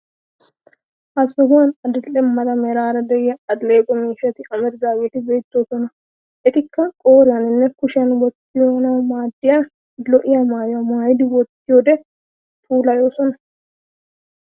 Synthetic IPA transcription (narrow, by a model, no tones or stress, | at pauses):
ʔɐsːɐɦʊwɐnɐd̪ɪlːɛmːɐd̪ɐmɛɾaːɾɐd̪ɛjɐɐd̪leːkʼɔmiːʃːɐt̪ɪʔɐmɛɾɡ̪aːweːt̪ɪbe̞ːt̪ːoːsɔnɐ | ɛt̪ɪkːɐkʼoːɾɪjɐnɪnːɛkʊʃɐnwɔt̪ːɪjoːnɐmaːd̪ːɪjɐ | lɔʔɪjamaːjɐmaːjd̪ɪwɔt̪ːɪjoːd̪ɛ | t̪ʰuːlɐjoːsɔnɐ